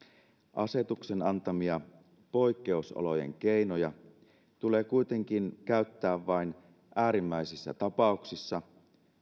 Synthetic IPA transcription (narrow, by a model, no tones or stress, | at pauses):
ʔɑ̰se̞t̪uksenɑnt̪ɑmiɑ | po̞jkːe̞uso̰lo̞je̞̰ŋk̟ejnojɑ | t̪uleːkujt̪e̞ŋk̟inkæyt̪ːæːʋʋɑin | ʔæːɾimːæisisːæ̰t̪ɑpɑuksisːɑ